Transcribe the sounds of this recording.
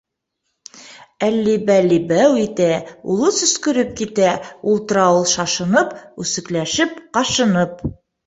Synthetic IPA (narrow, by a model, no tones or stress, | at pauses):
ælːibælibæwit̪æulˠɤsɵ̆skɵ̆ɾɘp̚kit̪æulˠt̪ɾɑwɤlˠʃɑʃɤ̆nɤpʉsɘ̆klæʃɘp̚qɑʃɤ̆nɤp̚